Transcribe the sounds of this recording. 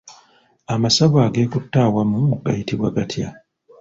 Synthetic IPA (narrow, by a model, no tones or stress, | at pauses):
amasaβaːɡe̞ːkutːaːwamuɡa̰jitiβwaɡatʰja